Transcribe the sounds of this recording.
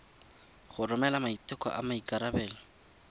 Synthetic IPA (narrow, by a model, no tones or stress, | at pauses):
χʊrʊmɛlamaitʼɪkɔ̰ʔamaikʼaɾabɛːlɔ